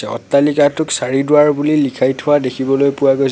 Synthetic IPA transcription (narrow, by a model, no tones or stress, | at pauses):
ɛɔ̰tːalikatʊksaɹidʊaɹbulilikʰajtʰʊwadekʰibɔlojpʊwaɡoj